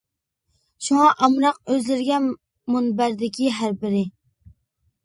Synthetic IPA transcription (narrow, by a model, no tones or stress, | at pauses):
ʃuŋɑʔɑmɾɑq̚øzlɪɾɡʲɛn | munbæɾd̪ɪkʲʰiɦæɾbɪɾɪ